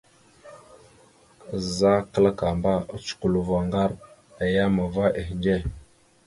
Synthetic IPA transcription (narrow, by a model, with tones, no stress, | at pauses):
za˦kə˦la˦ka˨mba˦˨t͡ʃu̥˨ku˨lu˨va˨ŋɡa˦ɾ | a˨ja˦ma˨va˦ʔe˨hnɡe˦˨